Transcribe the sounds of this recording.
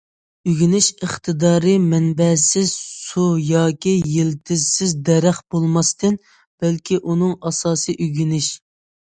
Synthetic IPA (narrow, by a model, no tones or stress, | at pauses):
yɡʲinɪʃəχt̪ʰɨd̪ɑːɾɨmɛnbɛsɪzsujɑːkʲʰijelt̪ʰɪzsɪzd̪ɛɾæχb̥olˠmɑst̪ɨn | b̥ælkʲiʔunɨŋɑsɑːsɨʔyɡʲinɪʃ